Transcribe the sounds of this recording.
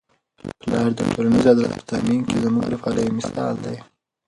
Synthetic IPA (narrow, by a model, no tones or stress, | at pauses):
pəlɑɾd̪əʈʰolanəzɑd̪ɾa̰t̪pə̥t̪ʰa̰minkezəmuɡɾafɑɾəjmɪsɑ̰ld̪aj